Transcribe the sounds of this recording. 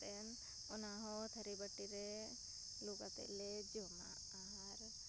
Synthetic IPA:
en | ʊnaɦɔt̪ʰəɾibəʈːiɾe | luɡat̪ḛled͡ʒoma̰ | aɦaɾ

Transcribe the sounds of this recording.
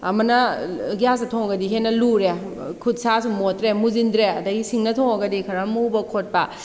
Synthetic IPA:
ɐ̰mɐnɐɡjas̬ɐtʰɔŋɡɐdiɦenɐluɾe | kʰut̚sasumotɾemuzindɾeɐdɐɡisiŋnɐtʰɔŋaɡɐdikʰɐɾamubɐkʰot̚pa

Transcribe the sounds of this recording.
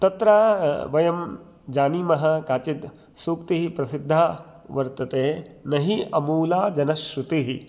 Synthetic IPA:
t̪ɐt̪ɾaːʋɐjɐm | d͡ʒaːnimɐɦɐkaːt͡ʃit̪ | suːkt̪iɦipɾɐsid̪ʱːaː | ʋɐɾt̪ɐt̪eːnɐɦiɐmuːlaːd͡ʒɐnɐʃɾut̪iɦi

